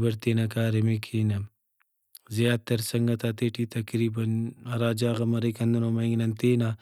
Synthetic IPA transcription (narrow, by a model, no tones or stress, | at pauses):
bɐɾt̪eːnɐk̬aːɾemekʰiːnɐ | zijaːt̪ːɐɾsɐŋɡɐt̪aːt̪eːʈit̪ɐkɾiːbɐnɐɾaːd͡ʒaːɣɐmɐɾekɐnd̪unomɐiŋɡnɐnt̪eːna